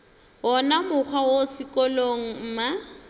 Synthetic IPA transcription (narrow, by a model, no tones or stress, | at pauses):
ɔnamʊk͡xʰwawosɪkɔloŋ̩m̩ːma